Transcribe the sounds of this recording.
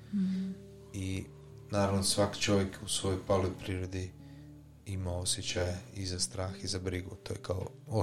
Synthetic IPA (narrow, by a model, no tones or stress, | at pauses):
i | naːɾaʋnosʋakt͡ʃo̞ʋjekusʋo̞jojpalojpɾiːɾod̪i | imaosjet͡ɕajeizast̪ɾaːxizabɾiɡut̪oːjekao̰ | o